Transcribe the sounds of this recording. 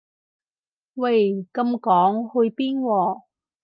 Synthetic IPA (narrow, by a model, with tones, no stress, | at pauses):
wa˧jkɐ˧mkɔː˨˥ŋhɵ˧ɥpiː˥nwɔː˧˩